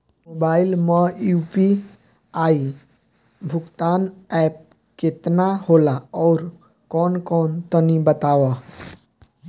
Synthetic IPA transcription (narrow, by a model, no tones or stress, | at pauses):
moːbaːɪlməjupi | aːi | bʱʊɡt̪aːnɛːp̚ | kɪt̪nahoːlaɔːɾ | kɔːnkɔːnt̪ənibət̪aːwa